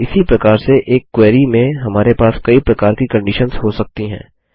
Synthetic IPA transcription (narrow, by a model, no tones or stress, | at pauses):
ɪsipɾɐkaːɾseʔeːkːwɛːɾimẽɦɐmaːɾepaːskɐipɾɐkaːɾkikɐ̃ɳɖɪʃənzɦosɐk̚t̪iɦɛ̰̃ː